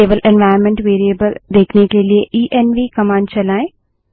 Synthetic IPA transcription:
eːbəlʔɛ̃nʋaːɪəɾmẽɳʈʋeːɾieːbəld̪eːkʰnekelieʔiːʔenʋikɐmãːnɖ̚t͡ʃɐlaːẽː

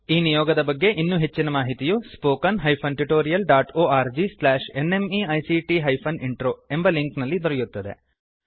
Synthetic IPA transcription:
iːnijɔːɡɐd̪ɐbɐɡːe̞ʔinːuːɦe̞t͡ʃːinɐmaːɦit̪ijuspoːkɐnɦɐjpʰɐnʈiʈoːɾijɐlɖaːʈoːaːɾd͡ʒislaːʃe̞nemiɐjsiʈiɦɐjpʰɐniɳʈɾoːe̞mbɐliŋknɐlːid̪ɔɾɛjut̪ːɐd̪e̞̰

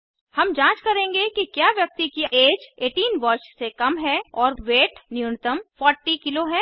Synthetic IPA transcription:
hɐmd͡ʒãːt͡ʃkɐɾẽːŋɡekikjaːʋjɐk̚t̪ikieːd͡ʒeːʈiːnʋɐɾʃsekɐmɦɛɔːɾʋeːʈnjʊːnt̪əmfɔːɾʈikɪloɦɛː

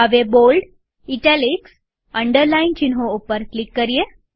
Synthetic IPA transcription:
aʋebolɖ | iʈɛliks | əɳɖəɾlaint͡ɕinɦõopəɾklikːəɾije

